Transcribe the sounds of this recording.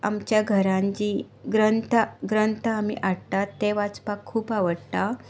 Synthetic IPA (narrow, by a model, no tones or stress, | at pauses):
a̰mt͡ɕjaɡʱəɾãɲd͡ʑiː | ɡɾənt̪aɡɾənt̪aːmḭʔaɽt̪at̪ːeʋat͡spakʰːuːpaʋəɽt̪a